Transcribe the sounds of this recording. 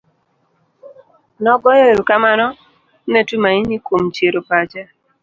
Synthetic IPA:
nɔɡɔjeɾkamanɔ | netumainikomt͡ʃeɾopat͡ʃa

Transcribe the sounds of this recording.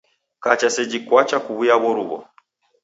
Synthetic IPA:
kat͡ʃasɛd͡ʒikwat͡ʃakuβujaβɔɾuβɔ̰

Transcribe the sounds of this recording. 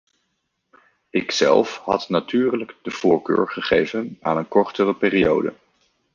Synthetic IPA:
ɪksɛ̰lˠfɦɑ̰tnatyːrləɡd̥əv̥ʊːɹkø̰ːɹχəχejvəna̰ːnənkɔɹtərəpɪːriowdə̰

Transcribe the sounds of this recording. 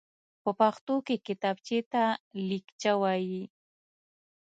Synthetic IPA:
pʊpɑχt̪ʊkɪkɪt̪ap̚t͡ʃɪt̪alɪkt͡ʃawaj

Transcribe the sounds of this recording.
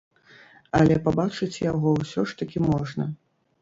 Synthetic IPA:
ɐlʲɛpabat͡ʂɨt͡sʲjaɣɔwsʲɔʂt̪ɐkʲimɔʐnɐ

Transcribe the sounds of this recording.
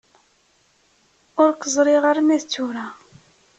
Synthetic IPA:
ʊɾkəzˤɾˤiʁaɾmæθt͡sːuɾa

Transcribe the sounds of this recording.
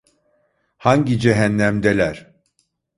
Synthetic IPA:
haɲɟid͡ʒeɦænːæmd̪elʲæɾ̥

